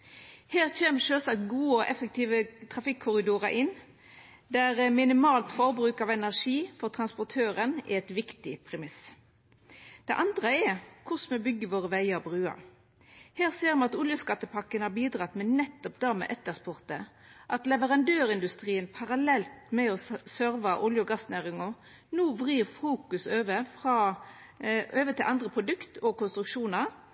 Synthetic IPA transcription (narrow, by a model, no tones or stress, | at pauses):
heːʁçeːməʂøːsɑkt̪ɡuːəɔʔɛfək̚t̪ʰiːʋət̪ʰʁɑfɪkʰːʊɾɪd̪uːʁɑʔɪnː | d̪æʁmɪnɪmɑːlt̪fɔʁbʁʉːkɑʋɛnæʁʂiːfɔʁt̪ʰʁɑnspɔt̪ʰøːʁənɛ̰ɛt̪ʋɪkt̪ɪpʰʁɛmɪs | d̪̥ɛ̰ʔɑnd̪ʁəɛkʰʊsmɛbʏɡːəʋoːʁəʋæɪəɾɔbʁʉːɑ̰ | heːʁseːɾmɑt̪ʊljəskɑt̪ːəpʰɑkːənhɑɾbiːd̪ʁɑt̪mɛnɛt̪ːɔpd̪ɑːmɛ̰ʔɛt̪ːəʁspʊʁt̪ə | ʔɑt̪lɛʋəʁɑnd̪øːɾɪnd̪ʉst̪ʁiːənpʰɑʁɑlɛlt̪mɛɔsœɾʋɑʔʊljəɡɑsnæːʁɪŋɔ | nuːʋʁiːʁfuːkʉsøːʋəfʁɑ | øːʋət̪ʰɪlʔɑnd̪ʁəpʰʁʊd̪ʉkt̪ɔkʊnst̪ʁʉkʃuːnɑʁ